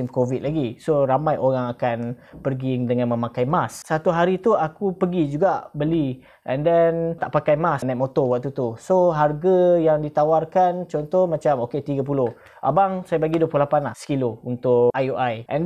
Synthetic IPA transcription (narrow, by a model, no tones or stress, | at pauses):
imkovit̪laɡisoɾamãjʔoɾaŋakanpərɡiŋdəŋãnmə̃makajmasːat̪uɦaɾit̪uakupəɡid͡ʒuɡaʔbəli | ʔɛndɛnt̪aʔpakajmasnajt̪mot̪owaʔ̚t̪ut̪usoɦarɡajaŋdit̪awarkant͡ʃɔnt̪ɔhmat͡ʃamoket̪iɡap̬ulʊh | ʔa̰baŋsajabaɡidwəpulolapanlahsə̥kilount̪ʊʔʔajuʔajʔɛ̰̃n